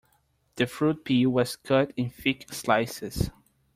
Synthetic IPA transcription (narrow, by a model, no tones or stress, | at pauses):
d̥əfɹut̚pʰiwɔskʰətɪ̃nfikslaɪsəs